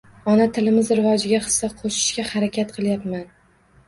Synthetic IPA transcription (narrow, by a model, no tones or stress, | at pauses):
ɒnat̪ʰɪlɪmɪzɾɪvɒd͡ʒɪɡʲaχɨ̥sːaqʰoʃɪ̥ʃkʲahaɾakʲʰat̪qʰɨlˠjapman